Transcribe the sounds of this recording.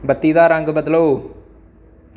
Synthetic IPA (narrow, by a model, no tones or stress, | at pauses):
bɐt̪ːiːd̪aːɾaːŋɡɐbɐd̪ɐloː